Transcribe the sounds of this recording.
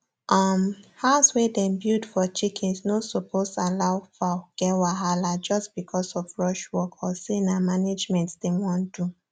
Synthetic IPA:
ʔamhaʊswedɛ̃mbjudfɔt͡ʃikʰɛ̃nsnosopʰosalaʊfaɡ̥ɛwaɦalad͡ʒɔstb̥ikʰɔsɔfɹɔʃwɔkʰɔsenamaned͡ʒmɛ̃ntd̥ɛ̃mwɔ̃ndu

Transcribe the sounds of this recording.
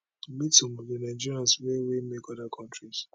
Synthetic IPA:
mitumodenãɪ̃d͡ʒiɾiãnswewemekɔdakʰɔ̃ntɹis

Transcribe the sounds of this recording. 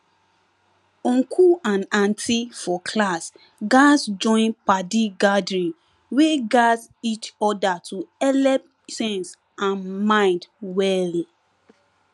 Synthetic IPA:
ɔ̃ŋkʰuãnãntʰifɔkʰlas | ɡasd͡ʒɔ̃ɪ̃npadiɡadɹĩn | weɡasit͡ʃɔdatʰuɛlɛp | sɛ̃ns | ãnmãɪ̃ndwɛlĩ

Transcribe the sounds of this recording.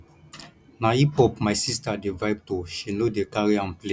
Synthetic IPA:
naipɔpmajsistadevajp̚toʃinodekaɹiãmplẽ

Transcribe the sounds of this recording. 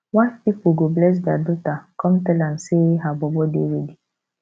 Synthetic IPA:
wafpipoɡoblɛs̬dadutakʰɔ̃mtɛlãn̩seɦabɔbɔdḛɾedi

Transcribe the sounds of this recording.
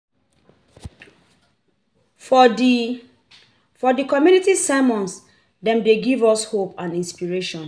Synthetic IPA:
fɔdikɔmjunitisamɔ̃ns | dɛ̃mdeɡivɔshopãnĩnspiɹeʃɔ̃n

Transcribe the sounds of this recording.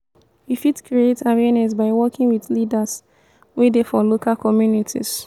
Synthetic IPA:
wifitkɹietawɛnɛs̬baɪwɔkĩŋwiθlidas | wedefɔlokalkɔmjunitʰḭs

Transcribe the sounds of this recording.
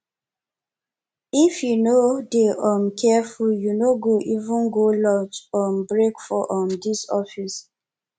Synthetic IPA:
ifjunodeʔãmkʰɛfuljunoɡoʔivũnɡolɔt͡ʃɔ̃mbɹekfɔʔɔ̃ndisɔfis

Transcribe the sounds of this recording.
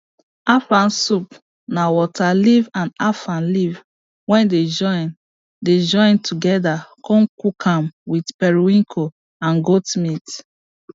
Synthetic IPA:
afãnsup | nawɔtʰalivãnafãnliv | wɛ̃nded͡ʒɔ̃ɪ̃n | ded͡ʒɔ̃ɪ̃ntʰuɡɛdakʰɔ̃nkukʰãmwidpɛɹiwĩŋkʰo | ãnɡotmit

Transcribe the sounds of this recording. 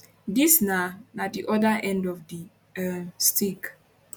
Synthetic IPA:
disnanadiʔɔdaʔɛ̃ndɔvdi | stik

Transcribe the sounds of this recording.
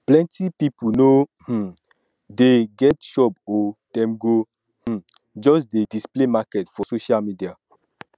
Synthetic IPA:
plɛ̃ntipipunoh̩ | deɡɛtʃɔpɔd̥ɛ̃mɡo | h̩ | d͡ʒɔsdedisplemakɛtfɔsoʃalmidia

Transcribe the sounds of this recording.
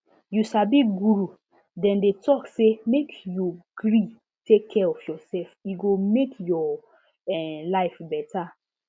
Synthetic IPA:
juʃabiɡuɹu | dɛ̃ndetʰɔksemekjuɡ̥ɾi | tekʰːɛɔfjɔsɛlfiɡomekjɔ | ɛlaɪfbɛta

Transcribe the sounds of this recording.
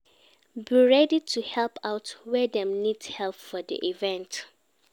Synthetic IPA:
biɹɛditʰuhɛlpʰaʊtwɛdɛ̃mnidhɛlpfɔdḭʔivɛ̃nt

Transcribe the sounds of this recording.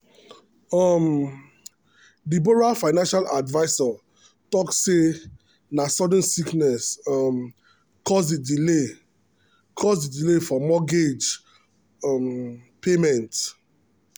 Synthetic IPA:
ɔm | diboɹafaɪnãnʃaladvaɪsa | tɔksːe | nasɔdə̃nsiknɛsɔm | kʰɔsdidile | kʰɔsdidilefɔmɔɡed͡ʒ | ɔm | pʰemɛ̃nt

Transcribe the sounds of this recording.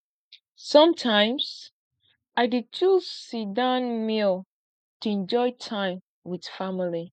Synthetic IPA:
sʌ̃mtʰãɪ̃ms | ʔaɪdit͡ʃʰuzsidãnmil | tuɛ̃nd͡ʒɔɪtʰãɪ̃m | wið̥famili

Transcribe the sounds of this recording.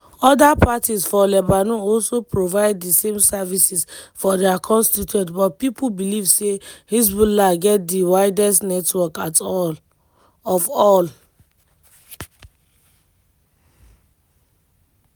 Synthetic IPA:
ɔdapatisfɔlɛbanuɔlsopɹovaɪddisẽmsavisisfɔdiakʰɔ̃nstituɛ̃ntbɔt̚pipubilivsehis̬bulaɡɛt̚diwaɪdɛstnɛtwɔkat | ɔfɔl

